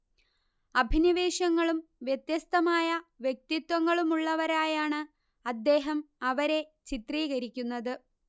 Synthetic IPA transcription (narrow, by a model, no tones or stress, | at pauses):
ɐbʱiniʋe̞ːɕɐŋːɐɭumʋjet̪jɐst̪ɐmaːjɐʋje̞k̚t̪it̪wɐŋːɐɭumuɭːɐʋɐɾaːjaːɳɨ | ɐd̪ːe̞ːɦɐmɐʋɐɾe̞t͡ɕit̪riːɣɐɾikʲːunːɐðɨ